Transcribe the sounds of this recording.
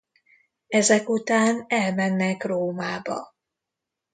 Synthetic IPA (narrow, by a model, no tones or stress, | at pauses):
ɛzɛkut̪aːnɛlmɛnːɛkroːmaːbɒ̰